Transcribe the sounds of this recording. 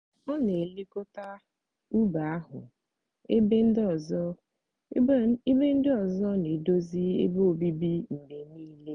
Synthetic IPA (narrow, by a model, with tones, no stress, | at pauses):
ɔ˦ne˨li˦ko˦ta˦ | u˦ba˨a˦ɦʊ̰˨ | e˦e˦n̩˦ɔ˨zɔ˦ | i˦be˦n̩˦dɪ˦ɔ˨zɔ˦ne˨do˦zi˦ḛ˦bo˦o˨bi˦bi˦n̩˨ne˨niː˦le˦